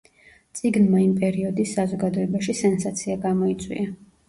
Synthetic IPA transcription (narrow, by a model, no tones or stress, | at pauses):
t̪sʼiɡnmaimpʼɛɾiɔd̪isːazɔɡad̪ɔɛbaʃisɛnsat̪sʰiaɡamɔit̪sʼwḭa